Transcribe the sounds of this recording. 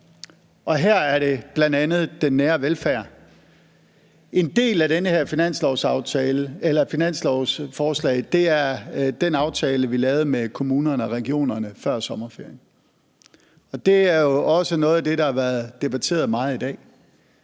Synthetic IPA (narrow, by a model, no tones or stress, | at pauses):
ʔɒ̽ɦæɐ̰æɐɾe̝b̥lænd̥ænð̞̩ˠd̥enːæːɐʋelfæɐ̰ | e̝nd̥e̝̰ːlæɾenəhæɐ̰finæn̰slɒʊsɑʊt͡sʰɛːlelɐfinæn̰slɒʊsfɒːslɛ̰ːɪd̥e̝æɐd̥enɑ̈ʊt͡sʰɛːləʋilɛːʊð̩ˠmekʰo̝muːnɐnəɒʁɛɡ̥io̝̰ːnɐnəfɶɐ̰sɒ̽mɐfe̝ɐ̰jən | ɒ̽d̥e̝æɐjo̝ʔɒ̽sənɔ̽ːð̩ˠæd̥e̝ɾɑ̈hɑ̈ʋæːɐðˠd̥e̝b̥æt͡sʰe̝̰ːɐð̞̩ˠmɑ̈ːð̩ˠid̥ɛ̰ː